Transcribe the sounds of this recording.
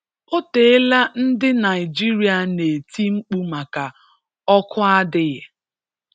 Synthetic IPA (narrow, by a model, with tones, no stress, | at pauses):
o˦te˨e˦la˦n̩˦dɪ˦na˨ɪ˨d͡ʒi˦ɾi˨a˨ne˨ti˦ŋ͡m̩˦k͡pu˦ma˨ka˨ | ɔ˦kʰʊ˦a˦dɪ˦ɣɪ˨